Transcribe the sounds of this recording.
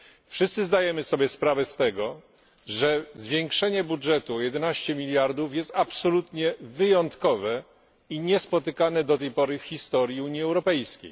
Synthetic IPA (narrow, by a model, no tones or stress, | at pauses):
fʂɘst̪sɘzd̪ajɛmɘsɔbʲjɛspɾavɛst̪ɛɡɔ | ʐɛzvʲjeŋkʂɛɲɛbudʐɛt̪uɔjɛd̪ɛnaɕt͡ɕɛmʲilʲjaɾd̪ufjɛst̪apsɔlut̪ɲɛvɘjɔnt̪kɔvɛ | iɲɛspɔt̪ɘkanɛd̪ɔt̪ɛjpɔɾɘfxʲist̪ɔɾjiuɲiɛwɾɔpɛjskʲḛj